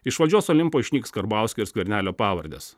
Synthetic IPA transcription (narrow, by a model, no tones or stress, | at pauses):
ɪʃʋɐlʲd͡ʒʲuɔsɔlʲɪmpoːɪʃʲnʲiːkskɐɾbɑˑʊsʲkʲoːɪɾsʲkʲʋʲɛɾʲnʲæːlʲoːpɑːʋɐɾʲd̪ʲḛːs